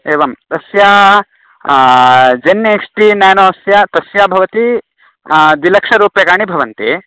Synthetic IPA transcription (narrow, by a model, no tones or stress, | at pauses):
eːʋɐmt̪ɐsjaː | d͡ʒɐnjɐeksʈinaːnoːɐsjat̪ɐsjaːbʱɐʋɐt̪i | d̪ilɐkʂɐɾuːpjɐkaːɳibʱɐʋɐnt̪eː